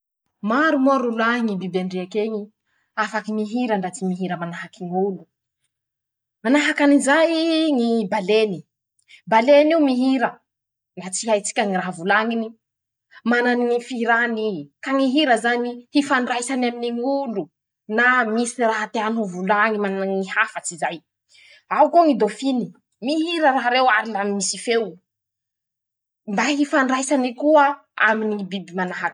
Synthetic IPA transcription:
maɾumoaɾulaɦiŋibibaɳɖ͡ʐeakeŋi | afakimiɦiɾəɳɖ͡ʐat͡simiɦiɾəmanaɦakiŋulu | manaɦakanizajŋibaleni | baleniumiɦiɾə | nɖ͡ʐat͡siɦajt͡si̥kʲaŋiɾaɦvulaŋini | mananiŋifiiɾanikaŋiɦiɾəzanihifaɳɖ͡ʐajsanaminiŋulu | namisiraɦat̪eanuvulaŋimanaŋihafət͡sizaj | awkoŋid̪ofini̥ | miɦiɾəɾaɦaɾewaɾilamimisifew | mbaɦifaɳɖ͡ʐajsanikuə | a̰minibibimanaɦak

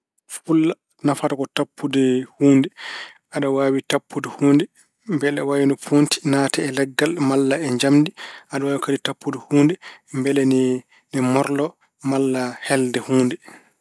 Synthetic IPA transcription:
fulːa | nafatakɔtapʰːudɛhuːndɛ | ʔaɗawaːwitapːudɛhuːndɛ | mbɛlɛwawindɔpʰonti̥naːtɛːlɛɡːalmalːaɛɲd͡ʒamdiʔaɗawaːwikaditapːudɛhuːndɛmbɛlɛn | nɛmɔɾlɔ | malːahɛldɛhuːndɛ

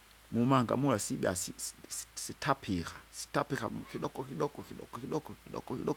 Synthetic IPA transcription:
mumaŋɡa̰mulasiɓa̰sisssitʰapʰikasi̥tapika̰kiɗɔkɔkiɗɔkɔkiɗɔ̰kɔkiɗɔkɔiɗɔ̰kɔkḭɗɔk

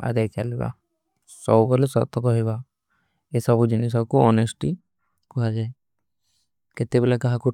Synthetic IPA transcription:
a̰d̪ajt͡ʃaliba̰ | sɔɡɔlesɔ̰t̪ɔkɔɦiba | esɔbud͡ʒinis̬ɔbkuɔnesʈi | kɔɦad͡ʒae | ket̪ebɛlakaɦaku

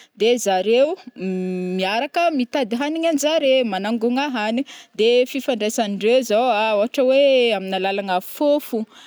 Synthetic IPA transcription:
d̪ezaɾew | miaɾakəmit̪ad̪iɦaniŋand͡ʒaɾemanaŋɡuŋaɦanid̪efifaɳɖ͡ʐesaniɳɖ͡ʐewzoaoɦaʈ͡ʂəweaminalalaŋafofu

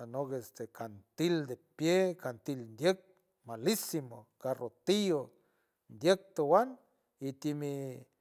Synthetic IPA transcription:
anokest̪ekant̪ild̪epjekant̪ilnd̪jek̚ | malisimokarot̪io | nd̪jek̚t̪owan | it̪imi

